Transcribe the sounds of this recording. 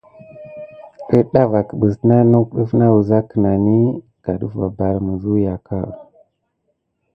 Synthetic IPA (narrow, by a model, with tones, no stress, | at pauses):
ə˦ɗa˦va˨kə˨ɓə˨sna˦nu˦kɗə˦fna˦wu˨za˦kə˨na˨ni˦ | ɡ̥a˨ɗu˦va˨ba˨ɾmə˨zu˦ja˨ka˦˨